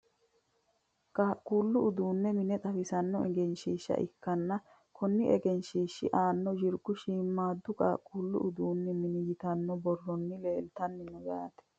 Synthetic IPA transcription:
kʼaːkʼːuːlːʊʊd̪uːnːɛmɪnɛt̪ʼɐfɪsɐnːɔɛɡɛnʃiːʃːɐ̰ʔɪ̰kːɐnːɐ | kʰɔnːɪʔɛɡɛnʃiːʃːɪ̰ʔaːnːɔd͡ʒɪɾɡʊʃiːmːaːd̪ːʊkʼa̰ːkʼːuːlːʊ̰ʊd̪uːnːɛmɪnɪjɪt̪ɐnːɔbɔrːɔnːɪleːlt̪ɐnːɪnɔɡaːt̪ɛ̥

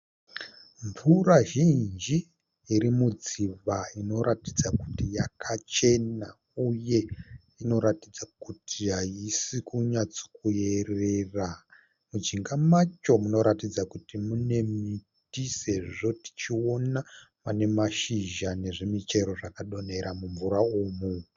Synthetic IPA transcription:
ɱvuraʒind͡ʒiː | ɾimud͡ziʋaino̞ɾatid͡zaku̥tijakʰat͡ʃe̞na | uje̞ | ino̞ɾatid͡zakutʰiaisikuɲat͡so̥kuje̞re̞ra | mud͡ʒiŋɡamat͡ʃo̞muno̞ɾatid͡zakutimune̞mi | tise̞ʐiʐo̞ti̥t͡ʃio̞na | mane̞maʃiʒane̞ʐemit͡ʃe̞ɾo̞ʐakaɗo̞ne̞ɾamuɱvuɾaoːmu

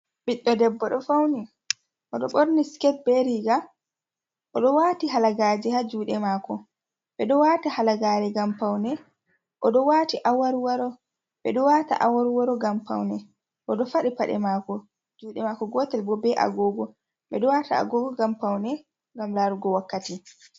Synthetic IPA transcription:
ɓiɗːɔdɛbːɔɗɔfawni | ʔɔɗɔɓoɾniskɛt̚bɛɾiɡa | ʔɔɗɔwaːtihalaɡaːd͡ʒɛhad͡ʒuːɗɛmaːkɔ | ɓɛɗɔwaːtahalaɡaːɾɛɡampawnɛ | ʔɔɗɔwatiʔawaɾwaɾɔ | ɓɛɗɔwata̰ʔawaɾwaɾɔɡampa̰wnɛ | ʔɔɗɔfaɗipaɗɛ̰maːkɔ | d͡ʒuːɗɛmaːkɔɡɔtɛlbɔbɛʔa̰ɡɔːɡɔ | ɓɛɗɔwataa̰ɡɔɡɔɡampawnɛ | ŋɡamlaɾuɡɔwakːati

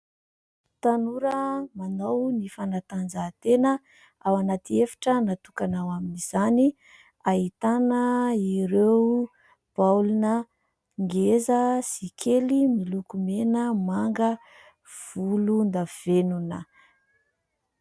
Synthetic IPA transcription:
t̪anuɾəmanownifanat̪and͡zat̪enə | awanat̪iefḁʈ͡ʂənat̪ukanawaminiz̥ani | aɦit̪anəiɾew | b̥awlunə | ŋɡezəsikʰelimilukumenəmaŋɡə | v̥ulund̪av̥enunə

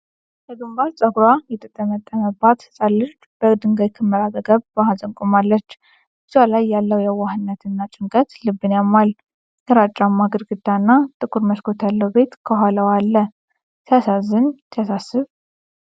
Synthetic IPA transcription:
jəɡɨmbaɾsʼəɡɾajɛt̪ʼət̪ʼːmət̪ʼːəməbːat̪sʼalːət͡ʃː | b̥əd̪ɨŋɡajkʰɨmːəɾazəɡəβbahazʼəŋkʼomalːət͡ʃː | bɨzalajːalːəwjɛwahɨnːət̪ɨnːat͡ʃʼɪŋkʼət̪lɨbːɨnjamːal | jəɾat͡ʃʼːamːaɡɨɾɡɨd̪anːat̪ʼɨkʼuɾməskʰo̞t̪ʰjalːəwbe̞t̪kʰəɦaləwalːə | t̪ʰəasazɨnt̪ʰəjasasːɨβ

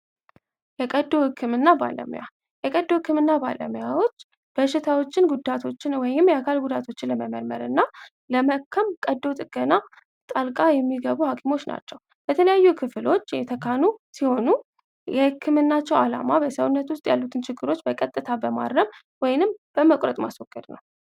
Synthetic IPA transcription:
jɛkʼəd̪ːo̞hɨkʰːɨmɨnːaba̰lə̰mṵja̰ | jɛkʼəd̪ːohɨkʰːɨmɨnːaba̰lə̰məjawo̞t͡ʃː | b̥əʃɪt̪ʰawo̞t͡ʃːɪnɡud̪at̪ʰo̞t͡ʃːɪnwɔjɪmjɛakʰalɡud̪at̪ʰo̞t͡ʃːɪnləməməɾməɾɨnːa | ləməkʰːəmkʼəd̪ːo̞t̪ʼɨɡʼəna | t̪ʼalkʼajɛmːiɡəβuhakʰimo̞t͡ʃːna̰t͡ʃːɛw | b̥ət̪ʰələjajːukʰɨflo̞t͡ʃːjɛt̪ʰəkʰanusiho̞nu | jɛhɨkʰːɨmɨnːat͡ʃːɛwala̰mabəsəwnːət̪wʊst̪ʼjalːut̪ʰɨnt͡ʃʰɪɡːɨɾo̞t͡ʃːbəkʼət̪ʼːɨt̪ʰabəma̰ɾːəm | wɔjnɨmb̥əməkʷʼɾət̪ʼmasɔɡ̥ːəd̪nə̰w

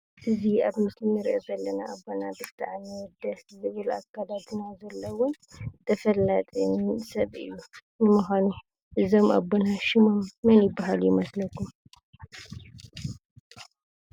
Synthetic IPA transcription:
ʔɨzihaβmɨslmɨɾʔəzɐlːənaʔabonabɨt̪ʰʼːaʕnewɔd̪əzɨβɨla̰kːalat̪ɨnazɐlːəwʊn | t̪ʰəfəlːat̪ʼmsəβɨ̰jːumɛməɦʷanu | ʔɨzɐmʔa̰bːonaʃɪmomːɨnjɪbːaɦaljɪməsləkːum

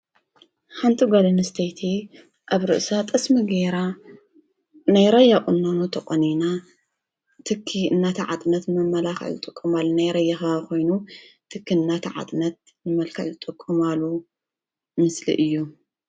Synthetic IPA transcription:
ħant̪ʰiɡalɨnɨst̪ʰɐjt̪ʰi | ʔaβɾɨ̰ʔsat̪ʼɐsmiɡeɾa | najɾɐjaχʼɨnːonut̪ʰɐχʼɐnina | t̪ʰɨkʰːiɨnːat̪ʰɐʕa̰t̪ʼnɐt̪mɐmːɐlaxɐ̰ʕɨt̪ʼɨkʼːumalːunajɾɐjːɐxɐkʰo̞jnut̪ʰɨkːiɨnːat̪ʰɐʕa̰t̪ʼnɐt̪̚ | nɨmɐlkʰɐ̰ʕɨt̪ʼɨkʼːumalːu | mɨslḭʔɨjːu

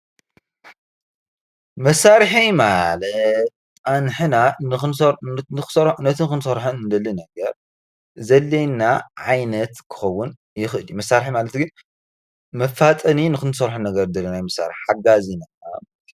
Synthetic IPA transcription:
mɐsːaɾħijmalɐt̪̚ | anħɨnan | nɨxɨ̥sɐɾnɐt̪ʰɨkɨnsɐɾħɨnd̪ɐlinɐɡɐɾ | zɐlːejnːaʕajnɐt̪kʰɨ̥xɐwːʊn | jɪxʔɨljumɐsːaɾħimalɐt̪ɡɨn | mɐfːat̪ʼɐninɨxɨnsɐɾħɨnɐɡɐɾd̪ɐlːɐnajmɐsːa̰ɾɪħħaɡazinamalt̪i̥

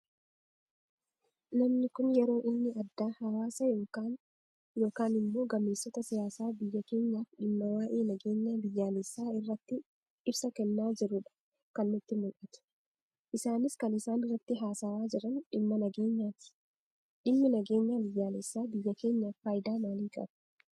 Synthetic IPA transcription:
nɐmnɪkʊnjɛɾo̞ːʔɪnːɪɐd̪ːaːhɐwaːsɐjoːaːn | jo̞ːkaːnɪmːo̞ːɡɐmːeːsːɔt̪ɐsɪjaːsaːbɪjːɐke̞ːɲːaːfɗɪmːɐwaːʔeːnɐɡe̞ːɲːaːbɪjːaːlesːaːɪrːɐt̪ːɪ | ɪbsɐkɛnːaːd͡ʒɪɾʊᶑɐ̥ | kɐnːʊt̪ːɪmʊlʔɐt̪ʊ̥ | ʔɪsaːnɪskɐnɪsaːnɪrːɐt̪ːɪɦaːsaːwaːd͡ʒɪɾɐnɗɪmːɐnɐɡe̞ːɲːaːt̪ɪ̥ | ᶑɪmːɪnɐɡe̞ːɲːaːbɪjːaːlɛsːaːbɪjːɐke̞ːɲːaːfːaːjd̪aːmaːliːkʼɐ̰b

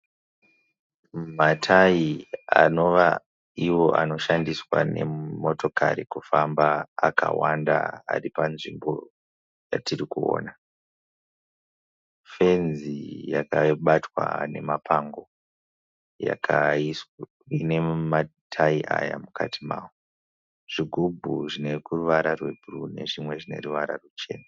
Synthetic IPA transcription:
matʰajiano̞ʋa | iwo̞ʔano̞ʃandiswane̞mo̞to̞kaɾikufambaːkawanda̰aripanʐimbo̞ | jatirikuo̰ːna | fe̞nzijakaɓatwane̞mapʰaŋɡo̞ | ja̰kʰais | ine̞matʰaiʔajamukʰatʰimaːwo | ʐ̥iɡʱubʱuʐine̞kuruʋaɾarwe̞bʱurune̞̰ʐimwe̞ʐine̞̰ruʋaɾa̰rut͡ʃe̞ːna

